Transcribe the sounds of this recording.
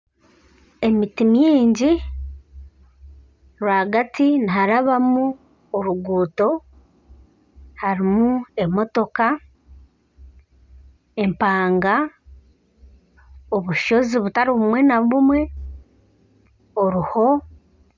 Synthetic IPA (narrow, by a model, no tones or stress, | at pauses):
e̞mitimiːɲɟi | ɾwaɡatiniɦaɾaβamu | oɾuɡuːto̞ | haɾimue̞mo̞to̞ka | e̞mpaːŋɡa | o̞βuʃo̞ziβutaɾiβumwe̞naβumwe̞ | oɾuho̞